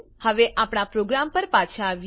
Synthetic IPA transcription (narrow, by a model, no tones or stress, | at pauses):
həʋeʔapɽ̃apɾoɡɾampəɾpat͡ʃʰaːʋ